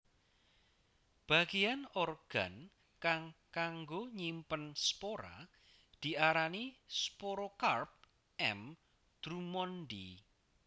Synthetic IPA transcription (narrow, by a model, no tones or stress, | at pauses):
b̥a̤ɡejanɔrɡ̥a̤n | kaŋkaŋɡoɲimpənspoɾa̰ | d̪̥i̤aɾanispoɾokarp̚ | ɛ̰m | d̪̥ɾumɔnɖḭ